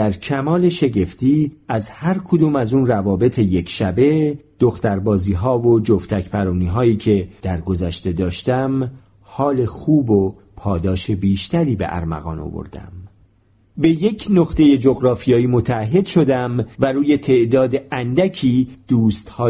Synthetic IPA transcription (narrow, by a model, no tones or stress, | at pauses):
æɾcʰæmɒːle̞ʃe̞ɟe̞ft̪iːæzhæɾkʰod̪uːmæzuːnrævɒːbe̞t̪ʰe̞je̞kʰʃæbe̞d̪̥oxt̪æɾbɒːziːɦɒːvo̞d͡ʒoft̪ʰæcʰpæɾuːniːɦɒːjiːcʰe̞d̪̥æɾɡo̞zæʃt̪e̞d̪ɒːʃt̪æm | hɒːle̞xuːbo | pʰɒːd̪ɒːʃe̞biːʃt̪ʰæɾiːbḛʔæ̰ɾmæ̰ɣɒ̰ːno̰vo̞̰ɾd̪æ̰m | be̞je̞cʰnoχt̪e̞je̞d͡ʒoɣɾɒːfijɒːiːmo̞t̪ʰæːɦːe̞d̪̥ʃo̞d̪æmvæɾuːje̞t̪ʰe̞ʔd̪ɒːd̪eænd̪æcʰiːd̪̥uːst̪hɒː